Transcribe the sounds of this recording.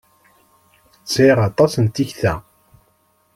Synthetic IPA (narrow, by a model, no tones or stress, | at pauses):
t͡sːiʁɑt̪ˤɑsənt̪içθæ